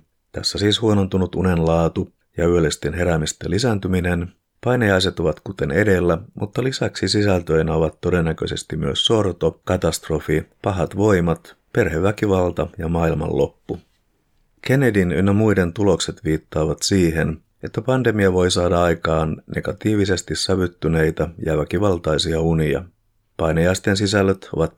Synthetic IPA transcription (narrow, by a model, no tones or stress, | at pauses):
t̪æsːæsiːshuo̞no̞nt̪unut̪une̞nlɑːt̪u | jɑyølest̪enɦe̞ɾæmist̪ḛlːisænt̪yminen | pɑjnejɑjs̬et̪oʋɑt̪kut̪e̞ne̞de̞lːæmʔut̪ːɑlisæksisisælt̪ø̞jnoʋɑt̪ːo̞de̞nːækø̞̰jse̞st̪imyøsːo̞rt̪o̞kɑt̪ɑst̪ro̞fipɑɦɑt̪ʋo̞jmɑt̪pe̞rɦeʋːækiʋɑlt̪ɑjɑmɑːilmɑ̰lːʔo̞̰pːu | kʰe̞ne̞dinynːɑmujde̞nt̪ulo̞kse̞t̪ʋiːt̪ːɑːʋɑt̪siːɦe̞n | e̞t̪ːæpɑnde̞miɑʋo̞jsɑːdɑɑjkɑːnne̞̰ɡ̥ɑt̪iːʋise̞st̪isːɑʋyt̪ːyne̞jt̪ɑjɑʋækiʋɑlt̪ɑjsiɑuniɑ̰ | pɑjnɑjɑist̪e̞nsisælːøt̪o̞̰ʋɑt̪